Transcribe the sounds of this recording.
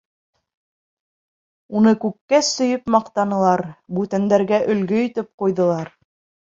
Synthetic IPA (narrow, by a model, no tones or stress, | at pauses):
unɤkʉkːæsɵ̆jɵpmɑqt̪ɑnɤ̆lˠɑɾbʉt̪ænd̪æɾɡæʔɵ̆lɡɵjɵ̆t̪ɘp̚qujðɤ̆lˠɑɾ